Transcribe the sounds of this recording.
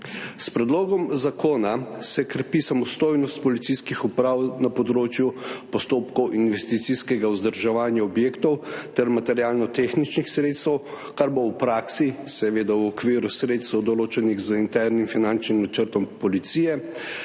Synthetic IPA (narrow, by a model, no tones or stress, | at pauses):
spɾɛd̪loːɡɔmzakʰoːnasɛkɾɛpisamɔst̪oːjnɔst̪̚pɔlit̪siskixupɾawnapɔd̪ɾoːt͡ʃjupɔst̪oːpkɔwʔinʋɛst̪it̪siskɛɡauzd̪əɾʒaʋaːnjaɔbjeːkt̪ɔwt̪ɛɾmat̪ɛɾjaːlnɔt̪exnit͡ʃnixsɾeːt̪st̪ɛw | kaɾbowpɾaksisɛʋeːd̪awɔkʋiːɾusɾeːt̪st̪ɛwd̪ɔloːt͡ʃɛniɣzəint̪ɛɾnimfinant͡ʃnimnat͡ʃəɾt̪ɔmpɔlit̪sijɛ